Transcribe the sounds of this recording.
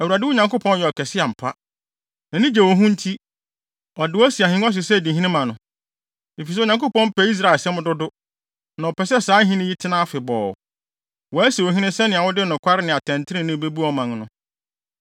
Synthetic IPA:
æ˨wu˨ɾa˨dɪ˦wʊ˦ɲã˨ko˦pʰɔ̃˦n˦jɛ˨ɔ˨kʰɛ˨sɪ˦a˨m̩˨pʰa˦ | nã˨nɪ̃˦d͡ʑɛ˨wɔ˨ɦũ˦n̩˦tʰi˦ | ɔ˨dɪ˨wɔ˦æ˦si˨a˨hĩ˦ɔ˦s̬ɪ˨sɛ˦˨dĩ˨ɦĩ˦nɪ̃˦mã˨nʊ̃˨ | e˨fi˨s̬ɛ˦˨ɲã˨ŋko˦pɔ̃˦m̩˦pʰɛ˦i˦s̬ɾa˦˨sɛ̃˦mʊ̃˦dʊ˦dʊ˦ | nã˨ɔ˨pɛ˨sɛ˦saː˨˦ɦĩ˦nɪ̃˦ji˦tʰɪ˦nã˦a˦fɪ˨bɔ̰ː˨ | wɔ˨æ˦si˨wɔ˨ɦĩ˦nɪ̃˦sɛ˦nɪ̃˨a˨wʊ˦dɪ˦˨nʊ̃˨kʷʰa˦ɾɪ˦nɪ̃˨a˨tʰɛ̃˨n˨tʰɪ˦ɾɪ̃˦nɪ̃˦be˦bu˦ɔ˨mã˨ŋnʊ̰̃˦

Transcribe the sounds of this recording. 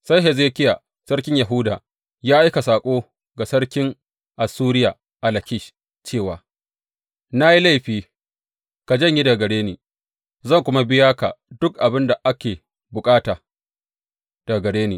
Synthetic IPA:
sa˦jɦɛ˨zeː˦kʲɪ˦ja˨ | sɐ˦ɽkʲɪ˦ɲja˨ɦʊ˦da̰ː˨ | jaː˦ʔa˦ka˨saː˨kʷʼoː˦ | ɡa˨sɐ˦ɽkʲɪ˦ŋ | ʔa˨suː˦ɾɪ˦ja˨ | ʔa˨lɐ˨kʲɪ˦ʃ | t͡ʃeː˦˨waː˨ | na˦ji˦la˦˨jɸiː˦ | ka˨d͡ʒɐ˦ɲji˦dɐ˨ɡɐ˨ɽeː˦niː˨ | zɐ˦˨ŋkʷʊ˦ma˦bɪ˦jaː˦ka̰˨dʊ˦k̚ʔa˨bɪ˦nda˨ʔa˦kʲeː˨ | bʊ˨kʼaː˦taː˨ | d̥ɐ˨ɡɐ˨ɽeː˦niː˨

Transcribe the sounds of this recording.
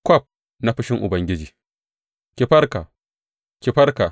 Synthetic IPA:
kʷɔ˦˨p̚ | na˦ɸɪ˦ʃɪ˦ŋʔʊ̰˨bɐ˦ŋɡʲɪ˦d͡ʒiː˨ | kʲi˨ɸɐ˦rka˨ | kʲɪ˨ɸɐ˦ɾka˨

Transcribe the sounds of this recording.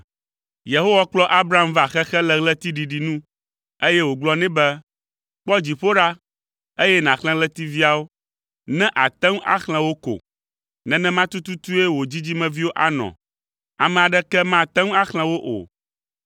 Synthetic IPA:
je˨ɦo˦wa˦k͡plɔ˦ʔa˦bɾa˦˨a˦m˦va˨xɛ˦xɛ˦lɛ˦ɣlɛ˦t̪i˦ɖi˨ɖi˨nũ˦ | e˦jɛ˦wo˨ɡ͡blɔ˦nɛ̃˦bɛ˦ | k͡pɔ˦d͡ʑi˨ɸo˦ɖa˦ | e˦jɛ˦nã˨xl̃ɛ̃˦lɛ˦t̪i˦vi˦a˨wo˦ | nɛ̃˦ʔa˨t̪ɛ˦ŋ˦a̰˦xl̃ɛ̃˨wo˦ko̰˨ | nɛ̃˨nɛ̃˦mã˦t̪u˦t̪u˦t̪u˦e˦wo˨d͡ʑi˦d͡ʑi˦mɛ̃˨vi˦wo˦ʔa˨nɔ̰̃˨ | a˨mɛ̃˨a˨ɖɛ˦kɛ˦mã˦˨t̪ɛ˦ŋ˦a˦xl̃ɛ̃˦wo˦ʔo̰˨

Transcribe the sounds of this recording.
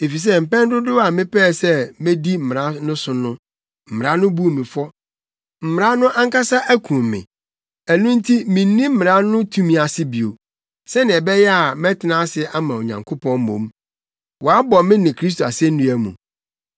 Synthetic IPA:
e˨fi˨s̬ɛ˦m̩˨pɛ̃˦n˦dʊ˦dʊ˦a˨mɪ̃˦pɛː˦˨sɛ˦mɪ̃˦di˦m̩˦˨mɪ˨ɾã˦nʊ̃˦sʊ˨nʊ̃˦ | m̩˨mɪ˨ɾa˦nʊ̃˦bu˦o˨mĩ˨fʊ˦ɔ˦ | m̩˨m˨ɾa˦nʊ̃˦ʔã˦ŋ˦ka˦sa˦ʔæ˦kʰũ˨mːɪ̰̃˨ | æ˨nũ˦n̩˦tʰi˦mɪ̃˨n˦nĩ˦m̩˦m˨ɾa˦nʊ̃˦tʰũ˦mĩ˨a˨sɪ˦bi˨o̰˨ | sɛ˦nɪ̃˨ɛ˨bɛ˦jɛ˦a˨mɛ̃˦tʰɪ˨nã˦sɪ˦a˦mã˨o˨ɲã̰˨ŋkʰʊ˦pʰɔ̃˦m̩˦mõ̰˨m | wɔ˨a˦bɔ˨mɪ̃˦nɪ̃˨kʰɾi˦s̬to˨a˨sɛ̃˦n̩˦nũ˦æ˦mṵ̃˨

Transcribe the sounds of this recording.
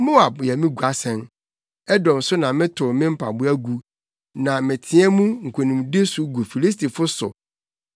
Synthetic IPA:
mo˦a˨bjɛ˨mɪ̃˦ɡu˨a˨sɛ̃˨n | ɛ˦dɔ̃˨m˨sʊ˦nã˨mɪ̃˦tʰʊ˨mɪ̃˦m̩˦pʰa̰˨bʊ˦æ˦ɡu˨ | nã˨mɪ̃˨tʰɪ̃˦ɛ˦mũ˦ŋ̩˨kʷʰo˨nũ˨m˨de˦sʊ˨ɡu˨fi˨li˦s̬tʰi˨fʊ˦sʊ̰˨

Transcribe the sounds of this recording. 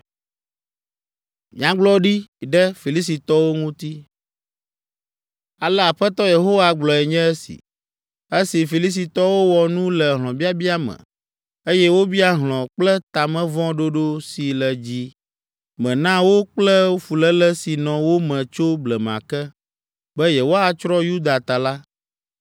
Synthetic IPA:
mĩ˨ã˦ɡ͡blɔ˦ɖi˦˨ɖɛ˦fi˨li˦si˨t̪ɔ˦wo˦ŋũ˦t̪i˦ | a˨lɛ˦a˨ɸɛ˦t̪ɔ˦je˨ɦo˦wa˨ɡ͡blɔ˨ɛ˨ɲɛ̃˦ɛ˦sḭ˨ | e˦si˨fi˨li˦s̬i˨t̪ɔ˦wo˦wɔ˨nũ˦lɛ˨ɦlɔ̃˨bi˦a˦bi˦a˦mɛ̰̃˨ | e˦jɛ˦wo˦bi˦a˦ɦlɔ̃˨k͡plɛ˦t̪a˨mɛ̃˦vɔ̃˦ɖo˦ɖo˦si˨lɛ˨d͡ʑi˦ | mɛ̃˨nã˦wo˦k͡plɛ˦o˦fu˨lɛ˦lɛ˦si˨nɔ̃˨wo˦mɛ̃˨t͡ʃo˦blɛ˨m˨ã̰˨kɛ˦ | bɛ˦jɛ˨wo˦a˨t͡ʃɾɔ˦ju˦d̪a˨t̪a˨la˦

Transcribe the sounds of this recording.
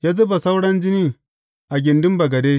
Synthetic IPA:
ja˦t̬i˦ba˨sa˦wɽa˦n˦d͡ʒi˦ni˦ | a˨ɡʲi˨ndi˦mba˨ɡa˨de˦

